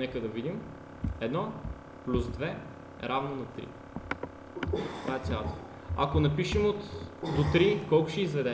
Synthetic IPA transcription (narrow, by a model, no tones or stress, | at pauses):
nɛkəd̪ɐvid̪im | ɛd̪nɔ | plʲusd̪vɛ | ɾavnonɐt̪ɾḭ | t̪ovaɛt̪sjalˠt̪ə̥ | ɐ̰konɐpiʃəmot̪d̪ot̪ɾikɔlˠkʊʃɛizvɛd̪ɛ